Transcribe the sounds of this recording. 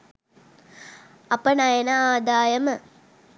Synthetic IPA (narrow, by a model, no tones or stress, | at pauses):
ɐpənajenaaːd̪aːjɐmə